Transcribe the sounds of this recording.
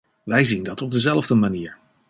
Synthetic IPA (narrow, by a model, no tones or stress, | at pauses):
ʋɛjzindɑtɔb̚dəzɛlˠvdəmaniːɹ